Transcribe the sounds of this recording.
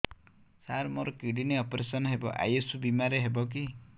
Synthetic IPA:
saɾmoɾɔkiɽineɔpɾesɔnɔɦebɔ̰ʔa̰jesubimaɾeɦebɔk̬i

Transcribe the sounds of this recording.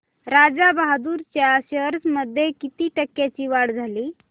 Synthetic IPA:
ɾad͡zabaɦd̪uɾt͡ɕjaɕəɾsməd̪ʱjekit̪iʈəkːjat͡ɕiʋaɽd͡zʱaliː

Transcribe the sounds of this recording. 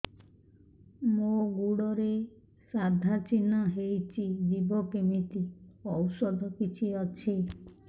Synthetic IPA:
moɡuɽɔɾe | sad̪ʱat͡ʃinaɦejt͡ʃʰid͡ʒ̪ibɔkemit̪iɔwsɔd̪ʱɔkit͡ʃʰiɔt͡ʃʰi

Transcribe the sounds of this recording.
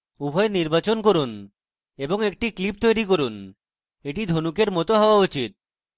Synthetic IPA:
ubʱɔeniɾbat͡ɕonkoɾun | eboŋek̚ʈiklip̚t̪ojɾik̬oɾun | eʈid̪ʱonukeɾmɔt̪oɦɔoaut͡ɕit̪̚

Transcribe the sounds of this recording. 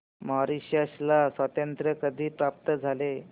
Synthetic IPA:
məɦaɾiɕəslasʋat̪ənt̪ɾəkəd̪ʱiːpɾap̚t̪əd͡zʱale

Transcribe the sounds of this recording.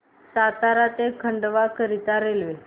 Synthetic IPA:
sat̪aɾat̪ekʰəɳɖʋakəɾit̪aɾelʋe

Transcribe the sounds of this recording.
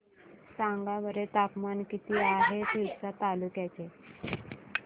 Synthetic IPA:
sãŋɡaʋəɾet̪apmankit̪iːaɦet̪isat̪alukjat͡ɕe

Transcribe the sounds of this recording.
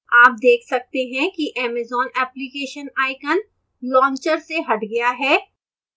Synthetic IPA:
aːp̚d̪eːkʰsɐk̚t̪eɦɛ̃kiʔɛːmɛzɔːnɛːplikeːʃənaːɪkən | lɔ̃ːɲt͡ʃəɾseɦɐʈɡɐjaɦɛː

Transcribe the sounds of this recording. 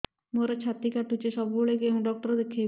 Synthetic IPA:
moɾɔt͡ʃʰat̪ikaʈut͡ʃeʃɔbuoɭekeɔŋɖɔk̚ʈɔɾɔd̪ekʰːij

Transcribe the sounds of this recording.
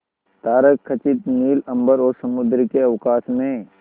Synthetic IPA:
t̪aːɾəkʰːɐt͡ʃɪt̪niːlɐ̃mbəɾɔːɾsɐmʊd̪ɾkeɐwkaːsmẽ

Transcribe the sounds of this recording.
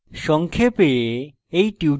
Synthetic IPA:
ʃɔŋkʰepee | ejʈiw

